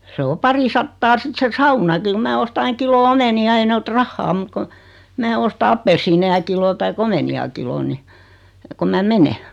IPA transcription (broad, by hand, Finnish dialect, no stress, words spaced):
se o pɑrisɑtːɑː sit se sɑunɑki ku mæː ostɑ ɑiŋ kilo omeniɑ ei ne ot rɑhːɑː mut kon̞ mæː ostɑ ɑpːelsːiːnejɑ kilo tɑik omeniɑ kilon ni kom mæ mene